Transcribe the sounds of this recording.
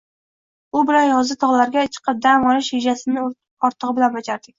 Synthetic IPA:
ʊbɪɾanjɒzɪt̪ʰɒʁlˠaɾɡʲat͡ʃʰɨ̥qʰɨp̚d̪amɒnɪʃjed͡ʒasɪnɪ | ɒɾt̪ʰɨʁɨbɪlanbad͡ʒaɾd̪ɪk̚ʲ

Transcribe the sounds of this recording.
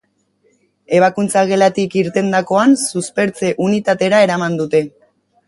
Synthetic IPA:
e̞β̞akunt͡saɣe̞lat̪ikiɾt̪e̞nd̪ako̞ansuspe̞ɾt͡se̞ʔunit̪at̪e̞ɾae̞ɾamand̪ut̪e̞

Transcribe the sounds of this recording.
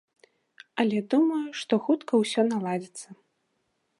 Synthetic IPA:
ɐlʲɛd̪umɐjuʂt̪ɔxut̪kɐwsʲɔnalˠad͡zʲit̪sːɐ

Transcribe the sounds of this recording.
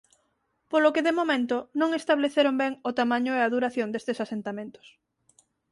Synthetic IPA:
polokeðemomẽnt̪ʊnõŋest̪aβleθeɾombɛŋʊt̪amãɲʊeaðuɾaθjond̪est̪esasent̪amẽnt̪ʊ̥s

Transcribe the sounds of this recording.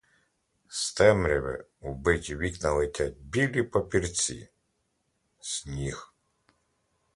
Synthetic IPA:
st̪ɛmɾʲiʋɪ̰ubɪtʲiʋʲiknɐlˠɪtʲat̚ʲbʲilʲipɔpʲirt͡sʲḭ | sʲnʲix

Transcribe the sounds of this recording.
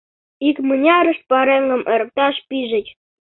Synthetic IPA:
ikmənʲɑɾə̆ʃ̚pɑɾeŋɡə̆mʔə̆ɾp̚t̪ɑʃpiʒɘ̆tʲ

